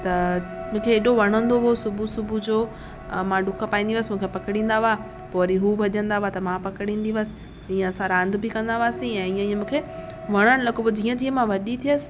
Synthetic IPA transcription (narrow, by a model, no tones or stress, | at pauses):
t̪ɐmũːkʰeeːɗoʋɐɽ̤̃ə̃nd̪oɦosʊbʱusʊbʱud͡ʑoː | mãɖʊkəpaːĩːnd̪iʋəsɪmũːkʰepɐkɪɽ̃ĩːn̆d̪aʋa | poːɾiɦubɐʄə̃nd̪aat̪ɐmãpɐkɪɽ̃ĩːnd̪iʋəsɪ̥̆ | ĩːə̃ɐsãɾãːnd̪bɪkɐ̃nd̪aʋaːsĩɛ̃ːĩə̃iːə̃mũːkʰe | ʋɐɽ̃əɽ̃lɐɡobd͡ʑiːə̃d͡ʑiːə̃mãʋɐɗit̪ʰijəsɪ̥̆